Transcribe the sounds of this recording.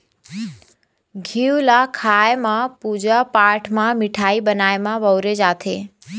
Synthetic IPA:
ɡʱiwlakʰajmãpud͡ʒapaʈʰmãmɪʈʰaibənajmãʋəwɾed͡ʒat̪ʰe

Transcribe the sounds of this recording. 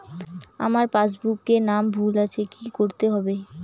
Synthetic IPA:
a̰maɾpad͡ʑbukːenambʱulat͡ɕʰekikoɾt̪eɦɔbe

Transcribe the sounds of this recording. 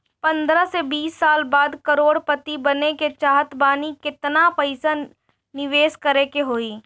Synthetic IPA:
pɐ̃nd̪ɾəsebiːsːaːlbaːd̪kɐɾoːɽpɐt̪ibɐneket͡ʃaːɦət̪baːnikɪt̪napɐɪsa | nɪʋeːʃkɐɾekeɦoːiː

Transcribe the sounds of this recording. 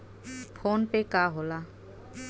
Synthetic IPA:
fʰonʈekaɦola

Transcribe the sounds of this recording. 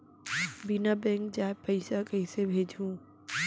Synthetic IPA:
bɪnabẽːŋkd͡ʑaːɪpɐɪsakəisebʱeːd͡ʑʱũː

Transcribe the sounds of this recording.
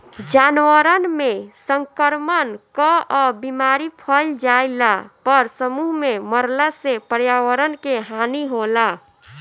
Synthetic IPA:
d͡ʒanʋəɾənmesəŋkəɾmənkɔɔbimaɾipʰəld͡ʒaɪlapəɾsəmuɦmeməɾlasepəɾjaʋəɾənkeɦaniɦola

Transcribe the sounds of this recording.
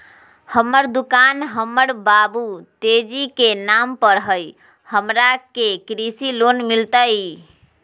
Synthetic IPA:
həmːəɾd̪ukanɦəmːəɾbabut̪ed͡ʒikenampəɾɦəj | həmɾakekɾisilonmilt̪əj

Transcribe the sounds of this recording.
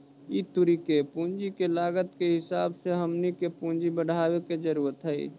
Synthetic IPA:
it̪uɾikepũːnd͡ʒikelaːɡət̪keɦɪsaːbseɦəmnikepũnd͡ʒibəɽ̤ʱaːweked͡ʒəɾuːɾət̪ɦəḭ

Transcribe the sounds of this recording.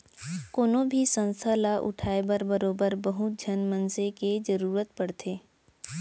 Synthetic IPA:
koːnobʱisə̃nst̪ʰəlaʔʊ̰ʈʰaːebəɾbəɾoːbəɾbəɦʊt̪̚d͡ʒʱənmənseked͡ʒəɾuːɾət̪pɐɽt̪ʰeː

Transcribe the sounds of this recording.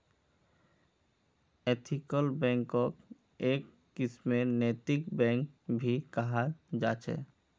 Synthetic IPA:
et̪ʰikəlbɛ̃ːŋkɔk | eːkːismeneːt̪ɪkbɛ̃ŋkbʱikəɦad͡ʒaːt͡ʃʰɛ̰ː

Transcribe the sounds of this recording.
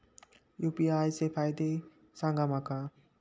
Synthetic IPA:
jupiajsepʰajd̪e | saŋɡamaka

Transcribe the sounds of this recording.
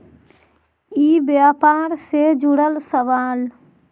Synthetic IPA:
iːbjaːpaːɾsed͡ʒuɽəlsəʋaːl

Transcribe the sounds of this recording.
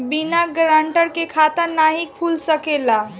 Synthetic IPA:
binaɡɾaɳʈəɾkekʰat̪əɾnaɦikʰulsəkela

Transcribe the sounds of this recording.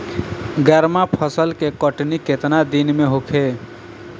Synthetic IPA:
ɡəɾmapʰəsəlkekəʈniket̪nad̪inmeɦokʰe

